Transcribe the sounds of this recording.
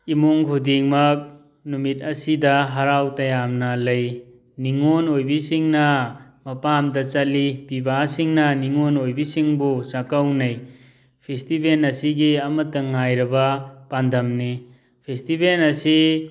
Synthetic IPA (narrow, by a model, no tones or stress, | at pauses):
imoŋkʰudiŋmɐk̚ | numit̚ɐsidɐɦɐɾawtɐjamnɐlɐj | niŋonojbisiŋnɐmɐpamdɐt͡ʃɐlipibasiŋnɐniŋonojbisiŋbusakɐwnɐj | pʰestibenɐsiɡiɐmɐtːɐŋajɾɐbɐpandɐmni | pʰestibenɐsi